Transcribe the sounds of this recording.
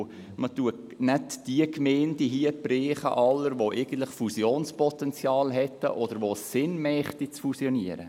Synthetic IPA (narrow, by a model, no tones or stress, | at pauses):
mətuə | nɛtd̥iəkmeːndiɦiəpreːχə̰ʔɑlːəɾʋoʔeɪɡ̥ən̩t̪lɪχfusjoːnspɔt̪ɛnt͡sjɑːlɦɛtə̰ʔɔd̥əɾʋosɪnmɛχtit͡sfusjɔniəɾə̰